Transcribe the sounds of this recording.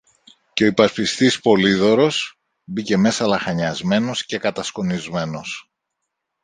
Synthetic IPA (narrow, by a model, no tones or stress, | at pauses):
ceo̞ipɐspist̪ispo̞liðo̞ɾo̞s | bice̞me̞sɐlɐxɐɲɐzme̞no̞sce̞kɐt̪ɐsko̞nizme̞no̞s